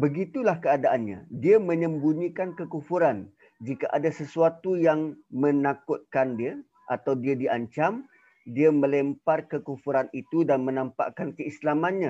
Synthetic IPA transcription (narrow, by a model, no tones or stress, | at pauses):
bəɡit̪ulahkəadaʔanɲa̰diamə̃ɲə̃mbunĩkankəkufuɾan | d͡ʒikaʔadasəsuat̪ujaŋmənakʊt̪̚kandia | ʔat̪awdiadiʔaɲt͡ʃam | diamə̃lɛmparkəkufuɾanit̪udanmənãmpa̰kankəislamanɲa